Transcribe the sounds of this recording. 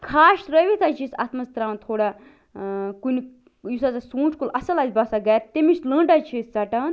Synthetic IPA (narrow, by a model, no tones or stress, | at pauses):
kʰaːʃɾɐʋit̪ʰat͡ʃʰisɐ̰t̪ʰmɐst̪ɾaːnt̪ʰoːɽa | kunʲ | jusat͡sasũːt͡ʃʰkulɐsɐlaːzbaːsaɡɐːɾt̪emit͡ʃlə̃ːɳʈat͡ʃʰist͡sɐʈaːn